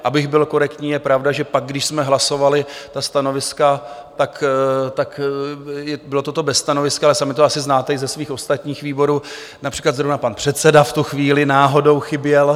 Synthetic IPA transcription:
ʔabɪɣbɪlko̞ɾɛkt̪ɲiːjɛpɾavdaʒɛpaɡ̚ɡdɪʃsmɛɦlaso̞valɪt̪ast̪ano̞vɪskat̪akt̪ak | jɛbɪlot̪o̞t̪obɛst̪ano̞vɪskaalɛsamɪt̪oasɪznaːt̪ɛɪzɛsviːxʔo̞st̪at̪ɲiːxviːbo̞ɾuː | napr̥iːklat̪zɾovnapanpr̥ɛt̪sɛdaft̪uxviːlɪnaːɦo̞do̞wxɪbjɛl

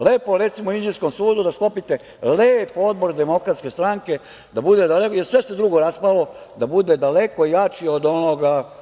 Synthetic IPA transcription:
le̞ːpoɾet̪simoind͡ʒiɾsko̞msuːd̪ud̪asklo̞pit̪e̞ | leːpo̞d̪̚bo̞ɾd̪e̞mo̞kɾat̪ske̞st̪ɾaŋke̞ | d̪abud̪e̞d̪alekjesʋe̞se̞d̪ɾuɡo̞ɾaspalo̞d̪abud̪e̞d̪ale̞koijat͡ʃiod̪o̞noɡa

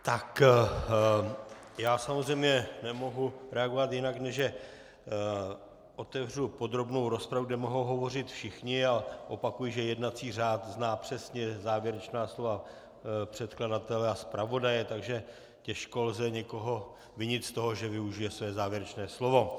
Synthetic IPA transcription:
t̪ak | jaːsamozrɛjmɲɛnɛmo̞ɦuɾɛaɡo̞vat̪jɪnaknɛʒjɛ | ʔo̞t̪ɛvr̝upo̞d̪ɾo̞bno̞wɾo̞spɾavuɡdɛmo̞ɦowɦovo̞r̝ɪt̪fʃɪxɲɪaʔo̞pakujɪʒɛjɛdnat͡siːr̝aːt̪znaːpr̝̥ɛsɲɛzaːvjɛɾɛt͡ʃnaːslo̞va | pr̝̥ɛt̪kladat̪ɛlɛaspɾavo̞dajɛt̪aɡʒɛ | cɛʃko̞lzɛɲɛko̞ɦo̞ | vɪɲɪt̪st̪o̞ɦoʒɛvɪuʒɪjɛsvɛːzaːvjɛɾɛt͡ʃnɛːslo̞vo̞

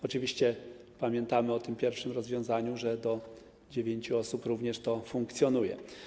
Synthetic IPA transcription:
ɔt͡ʂɘvʲiɕt͡ɕɛpamʲjɛnt̪amɘɔt̪ɘmpʲjɛɾfʂɘmɾɔzvʲjɔ̃w̃zaɲuʐɛd̪ɔ | d͡ʑevʲjeɲt͡ɕuɔsupɾuvɲɛʂt̪ɔfuŋkt̪sʲjɔnujɛ̰

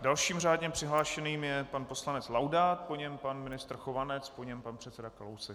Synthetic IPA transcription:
dalʃiːmr̝aːdɲɛpr̝̥ɪɦlaːʃɛniːmjɛpanpo̞slanɛt͡slawdaːt̪̚poɲɛmpanmɪnɪst̪r̩xovanɛt͡spoɲɛmpanpr̥ɛt̪t͡sɛdakalowsɛ

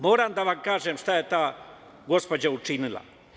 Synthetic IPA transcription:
moːɾand̪aʋaŋkaːʐemʂt̪aet̪a | ɡospɐd͡ʑaut͡ʂinɨla̰

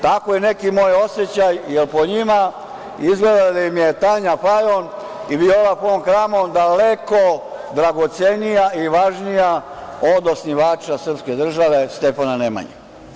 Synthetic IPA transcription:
t̪akojene̞kimojo̞set͡ɕajjelpoɲima | izɡled̪ad̪ajimjet̪aɲafajon | ibioʋapoomxɾaːmod̪alekod̪ɾaɡot̪senijaiʋaʒnijaod̪osniʋaːt͡ʃasr̩pske̞d̪r̩ʒaʋe̞st̪epananema̰ɲḛ

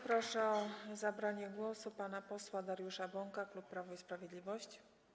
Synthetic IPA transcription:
pɾɔʂɛɔzabɾaɲɛɡwɔsupanapɔswad̪aɾjuʂabɔŋkaklupːɾavɔispɾavʲjed̪lʲivɔɕt͡ɕ

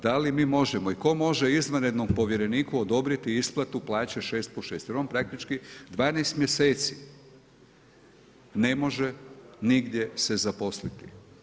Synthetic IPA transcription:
d̪alimiːmo̞ʒemoiko̞mo̞ʒeizʋanjed̪nompo̞ʋjeɾe̞niːkuod̪o̞bɾit̪iisplˠat̪uplˠaːt͡ɕeʃe̞ːst̪̚poʃeːst̪jeɾonpɾak̚t̪it͡ʃkid̪ʋaːnejst̪mje̞se̞ːt̪si | ne̞mo̞ʒeniɡd̪ʲje̞sezapo̞slit̪i

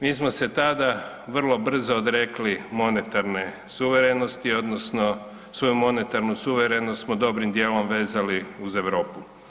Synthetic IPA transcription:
miːs̬mose̞t̪ad̪a | ʋr̩lˠo̞br̩zood̪ɾeklimo̞ne̞t̪aɾne̞ | suʋe̞ɾenost̪io̞d̪nosno̞ | sʋo̞jumo̞ne̞t̪aɾnusuʋeɾenost̪smod̪o̞bɾimd̪jeːlo̞mʋe̞ːzaliuze̞ʋɾo̞ːpu

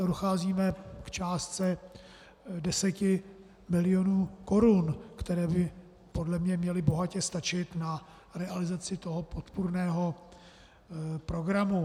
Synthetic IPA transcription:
odoxaːziːmɛkt͡ʃaːst͡sɛ | dɛsɛcɪ | mɪlɪjonuːko̞ɾunkt̪ɛɾɛːbɪ | po̞dlɛmɲɛmɲɛlɪbo̞ɦacɛst̪at͡ʃɪt̪na | ɾɛʔalɪzat͡sɪt̪o̞ɦo̞po̞t̪puɾnɛːɦo̞ | pɾo̞ɡɾamu

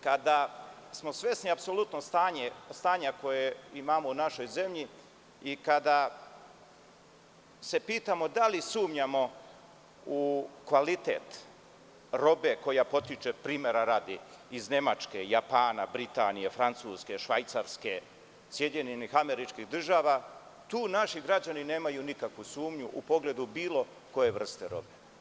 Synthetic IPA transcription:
kad̪a | smo̞sʋʲje̞sniapso̞lut̪nost̪aːɲest̪aːɲako̞jeimamounaʃo̞jze̞mʎi | ikad̪a | se̞piːt̪amo̞d̪alisuːmɲamo̞ | ukʋalit̪ḛːt̪ | ɾo̞be̞ko̞japo̞t̪it͡ʃepɾiːme̞ɾaɾaːd̪i | izne̞mat͡ʃke̞japaːnabɾit̪aːnijefɾant̪suːske̞ʃʋajt̪saɾske̞ | sjed̪ɲeɲenixame̞ɾit͡ʃkiɣd̪r̩ʒaːʋa | t̪uːnaʃiɡɾad͡ʑanine̞ːmajunikakʋusuːmɲuʔupo̞ɡle̞d̪ubiːlˠo̞ | ko̞je̞ʋr̩st̪eɾo̞̰be

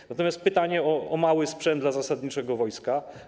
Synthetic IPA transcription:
nat̪ɔmʲjast̪̚pɘt̪aɲɛɔʔɔmawɘspʂɛnd̪lazasad̪ɲit͡ʂɛɡɔvɔjska

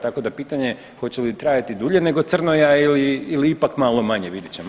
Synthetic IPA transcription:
t̪ako̞d̪apiːt̪aɲe̞ | xo̞t͡ɕelit̪ɾaːjat̪id̪uʎe̞ne̞ɡo̞t̪sr̩nojailiiliipakmaːlˠo̞maɲeʋid̪it͡ɕem

